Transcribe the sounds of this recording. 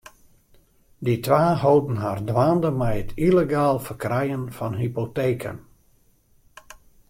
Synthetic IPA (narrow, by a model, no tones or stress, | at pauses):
ditʋaːhowdən̩ɦaːrdʋaːndəmɛjətʰileɡaːlˠfərkrɛjənfɔnɦipoteːkʰə̰n